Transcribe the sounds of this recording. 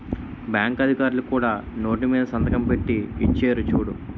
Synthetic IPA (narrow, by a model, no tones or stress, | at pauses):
bjaːŋkɐd̪ʱikaːɾulukuːɽaːno̞ːʈimiːd̪ɐsɐnd̪ɐkɐmpe̞ʈːiit͡ʃːeːɾut͡ʃuːɽu